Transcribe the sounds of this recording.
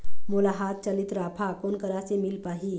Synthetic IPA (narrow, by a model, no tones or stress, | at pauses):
mulaɦat̪̚t͡ɕəlit̪ɾapʰakonkəɾasemilpaɦi